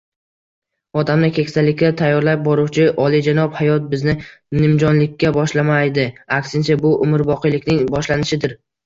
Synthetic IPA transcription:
ɒd̪amnɪkʲʰe̞kʲsalːɪkʲːat̪ʰajːɒɾlap̚bɒɾʊwt͡ʃʰɪʔɒlˠid͡ʒanɒphajɒt̪̚bɪznɪnɪmd͡ʒɒnlɪkʲːabɒʃlamajd̪ɪakʲsɪnt͡ʃʰabʊʔʊmɪɾbɒqʰɨjlɪkʲnɪŋbɒʃlanɪʃɪd̪ɪɾ

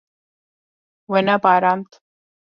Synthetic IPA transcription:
wenapaɾant̪

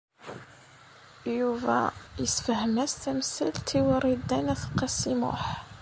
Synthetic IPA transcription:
juvæ̰jəsfəhəmæst̪æmsəlt̪iwərˤid̪ːænæθqɑsimʊ̰ħ

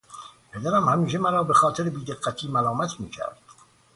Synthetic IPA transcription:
pʰe̞d̪æɾæmhæmiːʃ̬emæɾɒːbexɒːt̪ʰeɾebiːd̪eɡːæt̪ʰiːmælɒːmæt̪ʰmḭːcʰæ̰ɾd̪̥

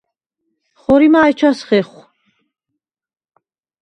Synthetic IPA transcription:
χɔɾimaːjt͡ʃʰasχɛχ

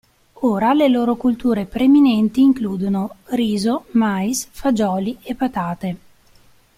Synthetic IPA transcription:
oːɾaleloːɾokult̪uːɾepɾeminɛnt̪iːŋkluːd̪onoriːzomajsfad͡ʒɔːliepːat̪aːt̪e

